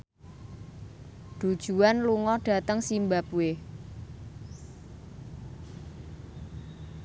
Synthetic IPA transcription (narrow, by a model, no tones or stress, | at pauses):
ɖ̪̥ud̥ʒ̥ṳanluŋɔɖ̥a̤t̪əŋsimbapue